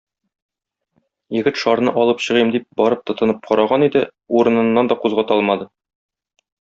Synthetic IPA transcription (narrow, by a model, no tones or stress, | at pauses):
jɘ̆ɡɘt̪ʃɒɾnɤʔɒlˠɤpɕɤ̆ʁimd̪ip̚bɒɾɤp̚t̪ɤ̆t̪ɤ̆nɤp̚qʰɒɾɑʁɑnid̪ɘ | uɾɤ̆nɤ̆nːɑnd̪ɒquzʁɑt̪ɒlˠmɑd̪ɤ